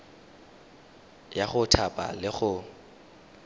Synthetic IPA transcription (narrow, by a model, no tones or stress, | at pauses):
jaχʊtʰapʼa̰lɪχʊ